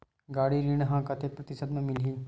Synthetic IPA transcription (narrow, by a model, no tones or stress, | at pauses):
ɡaːɽiɾiːɳ̃ɦãkɐt̪ʰeːpɾət̪ɪsəd̪mẽmɪlɦiː